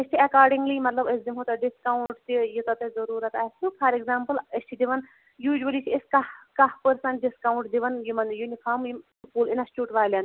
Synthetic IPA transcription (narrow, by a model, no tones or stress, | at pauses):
esʈ̪ʰiɐkaːɾɖĩŋɡlimɐt̪lɐbɐsd̪imɦot̪ɐɖiskawuɳʈt̪ijit̪ɐt̪ɐzɐɾuːɾɐt̪ast̪upʰɐɾeɡzaːmpɨlesʈʰid̪iʋɐn | juːʒʋɐlit͡ʃʰieskɐhkɐhpəɾsɐnɖiskawɳʈd̪iʋɐnjumɐnjunipʰaːmji | puːlinɐsʈuːʈʋaːlʲɐn